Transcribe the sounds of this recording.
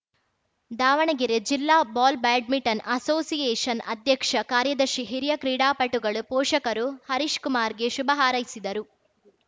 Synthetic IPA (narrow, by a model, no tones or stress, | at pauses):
d̪aːʋɐɳɐɡiɾed͡ʒilːaːbaːlbaːɖ̚miʈɐnɐsoːsijeːʂɐnɐ̰d̪jɐkʂɐkaːɾjɐd̪ɐɾʃiɦiɾijɐkɾiːɽaːpɐʈuɡɐɭupɔːʂɐkɐɾuhɐɾiʃkumaːɾɡeʃubɐɦaːɾɐjsid̪ɐɾu